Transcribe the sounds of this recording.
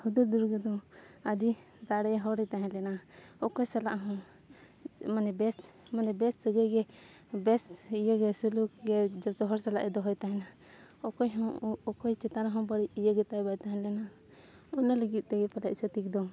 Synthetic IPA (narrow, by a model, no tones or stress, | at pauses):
hud̪uɾd̪uɾɡɛd̪ɔ̃adi | d̪aɽɛɦɔɾɛt̪aɦɛ̃nlɛnaɔkɔjsalaʔɦɔ̃ | manɛbɛsmanɛbɛsd̪əɡəɡɛ | bɛsijəɡɛsulukɡɛd͡ʒɔt̪ɔɦɔɾsalaʔɛd̪ɔɦɔjt̪aɦɛ̃na | ɔkɔjɦɔ̃ɔkɔjt͡ʃɛt̪aɾaɦɔ̃bəɽiijəɡɛt̪ajbajt̪aɦɛ̃lɛna | ɔnaləɡit̪̚ˀt̪ɛɡɛpalɛʔ̚t͡ʃət̪ik̚d̪ɔ